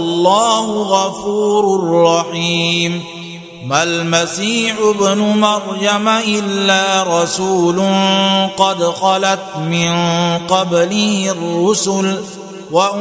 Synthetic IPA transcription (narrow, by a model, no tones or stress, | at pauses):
lˤːaːɦʊɣafuːɾʊrːɑħiːm | malmasiːħʊbnʊmɑɾˤjamaʔɪlːaːɾˤɑsuːlʊnqɑd̪xɑlat̪mɪnqɑblɪhrːʊsʊl | waʔ